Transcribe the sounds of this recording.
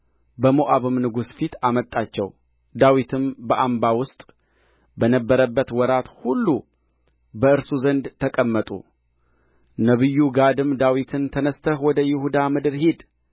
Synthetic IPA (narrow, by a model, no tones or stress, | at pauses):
bəmoʔaβɨmnɨɡusfit̪amət̪ʼːat͡ʃːɛw | d̪awit̪ʰɨmbəʔambawʊst̪ʼ | bənəbːəɾəbːət̪wɔɾat̪hulːu | bəɨɾsuzənd̪t̪ʰːəkʼəmːət̪ʼṵ | nəβɨjːuɡad̪ɨmd̪awit̪ʰɨnt̪ʰənəst̪ʰəhwɔd̪əjɪhud̪amɨd̪ɨɾhed̪